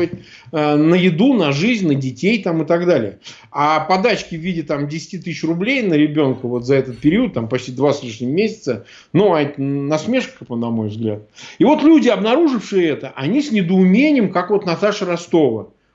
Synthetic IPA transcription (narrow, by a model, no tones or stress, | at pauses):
ət̚ʲ | ənəjɪd̪unɐʐɨzʲnʲnədʲɪtʲejt̪amɨt̪aɡd̪alʲɪjə | apɐd̪at͡ɕkʲɪvʲidʲɪt̪amdʲɪsʲɪ̥tʲit̪ɨɕɕrʊblʲejnəɾʲɪbʲo̞nkəvo̞t̪zɐɛt̪ət̪̚pʲɪɾʲiuʊt̪̚t̪ːampɐt͡ɕtʲid̪vaslʲiʂnʲɪmmʲesʲɪt̪sə | nuatʲnɐsmʲeʂkəpənɐmo̞̰jvzɡlʲa̰t̪̚ivo̞t̪lʲudʲɪɐbnɐɾuʐɨfʂɨjəɛt̪əʔɐnʲisʲnʲɪd̪əʊmʲenʲɪjɪmkakvo̞t̪nɐt̪aʂəɾɐst̪o̞və